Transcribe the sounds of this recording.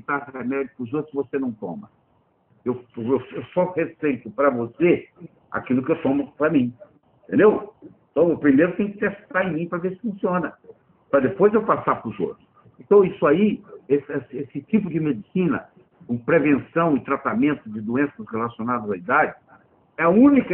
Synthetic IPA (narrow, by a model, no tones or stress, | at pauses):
ɪt̪aemɛd͡ʒʊpɾʊzot̪ɾʊ̥zvosenɐ̃w̃t̪õ̰mɐ | ewewsewsɔhesejt̪ʊpɾɐvose | a̰kilʊkɪewt̪õmʊpɾɐmĩeẽt̪ẽnd̪ew̃ | t̪ɐ̃w̃epɾimejɾʊt̪ẽj̃kɪ̥t̪est̪aẽj̃mĩpɾɐveɾsɪ̥fũsiõnɐ | pɾɐd̪epojzewpasapɾʊzo̰t̪ɾʊs | ẽnt̪ɐ̃w̃isʊaiesɛsesɪt͡ʃipʊd͡ʒɪmed͡ʒisĩnɐ̰ | kũpɾevẽsɐ̃w̃ɪt̪ɾat̪amẽnt̪ʊd͡ʒɪd̪uẽsɐsʁelasionad̪ɐzaid̪ad͡ʒɪ | ɛɐũnikɐ